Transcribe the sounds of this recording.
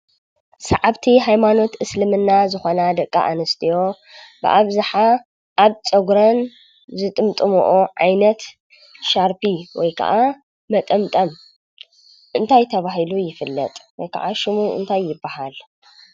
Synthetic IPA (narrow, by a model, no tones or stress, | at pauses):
sɐʕaβt̪ʰiɦajmano̞t̪ʔɨslɨmɨnːazɨxonad̪ɐkʼːa̰ʔanɐst̪ʰijo̞ | bɨ̰ʔaβzaħa | ʔaβt͡sʼɐɡɾɐn | zɨt̪ʼɨmt̪ʼɨmo̰ʔoʕajnɐt̪ | ʃaɾpiwɔjkʰɐ̰ʔa | mɐt̪ʼɐmt̪ʼɐm | ʔɨnt̪ʰajt̪ʰɐβahilujɪfɨlːɐ̰t̪ʼwɔjkʰa̰ʕaʃɨmuʔɨ̰nt̪ʰajːɪbːahal